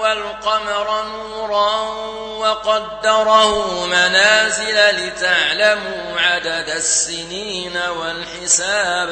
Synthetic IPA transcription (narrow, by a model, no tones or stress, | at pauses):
walqɑmɾˤɑnuːɾˤɑ | wɑqɑd̪ːɑɾˤɑhʊmanaːzɪlalɪt̪aʕlamuːʕad̪ad̪asːɪniːnawalħɪsaːb